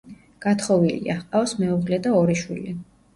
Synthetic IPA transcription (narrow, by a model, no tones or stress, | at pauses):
ɡ̥at̪ʰχɔvilḭaχqʼaɔsmɛuʁlɛd̪aɔɾiʃwḭli